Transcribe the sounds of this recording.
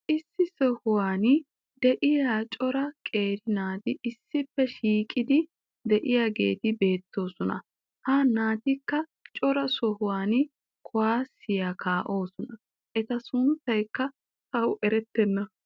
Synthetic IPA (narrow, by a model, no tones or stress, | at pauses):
ʔɪsːɪsɔhʊwaːn | d̪ɛʔɪjaːt͡ʃʼɔɾɐkʼe̞ːɾɪnaːt̪ɪʔɪsːɪpːɛʃiːkʼɪd̪ɪ | d̪ɛʔɪjaːɡe̞̰ːt̪ɪbe̞ːt̪ːo̞ːsɔnɐ̰ | hanaːt̪ɪkːɐt͡ʃʼɔɾɐsɔhʊwaːnɪ | kʰɔwaːsɪjakaːʔo̞ːsɔnɐ | ʔɛt̪ɐsʊnt̪ːɐjkːɐ | tɐwʔɛɾɛt̪ːɛnːɐ